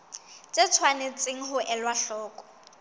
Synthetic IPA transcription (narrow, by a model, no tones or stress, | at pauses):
t͡sʼɪt͡sʰwanet͡sʼɪŋ̩ɦʊʔɛlwaɬɔːkʼɔ̥